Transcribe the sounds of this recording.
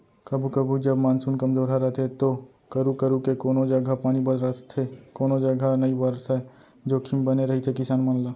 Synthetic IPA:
kəbʱukəbʱud͡ʒəbmaːnsuːnkɐmd͡ʒoːɾɦaɾəɦt̪ʰet̪o | kəɾukəɾukekoːnod͡ʒɐɡʱapaːnibəd̪ɾəst̪ʰekoːnod͡ʒɐɡʱanəibəɾsɦɛ | d͡ʒoːkʰimbəneɾɐɦit̪ʰekɪsaːnmənlaː

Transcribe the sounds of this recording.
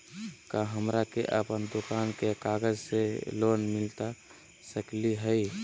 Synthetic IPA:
kaɦəmɾakḛʔə̰pənd̪okankekaɡəd͡ʒselonmilt̪a | səkliɦəj

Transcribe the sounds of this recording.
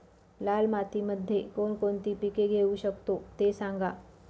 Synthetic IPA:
lalmat̪iməd̪ʱːjekoɳkoɳt̪iːpikeɡʱeuɕəkt̪ot̪esãŋɡa

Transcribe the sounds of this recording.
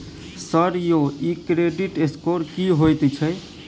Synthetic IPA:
səɾjoikɾeɖiʈeskoɾkiɦojt̪t͡ʃʰəj

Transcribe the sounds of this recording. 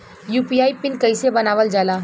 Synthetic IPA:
juːpiaːipɪnkəɪsebənaːʋəld͡ʒaːlaː

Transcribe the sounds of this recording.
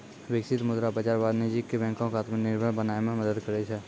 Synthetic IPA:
ʋɪkʃɪt̪mʊd̪ɾabəd͡ʒaːɾbaːd̪ned͡ʒikebɛ̃ːŋkõkaːt̪mənɪɾbʱəɽbənaːemẽməd̪əd̪kəɾet͡ʃʰe

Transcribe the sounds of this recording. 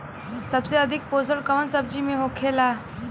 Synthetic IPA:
səbseəd̪ʱɪk̚poːsəɽkəʋənsəb̚d͡ʒimẽɦokʰela

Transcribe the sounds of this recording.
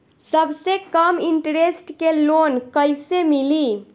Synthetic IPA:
səbsekəmiɳʈɾesʈkelonkəjsemili

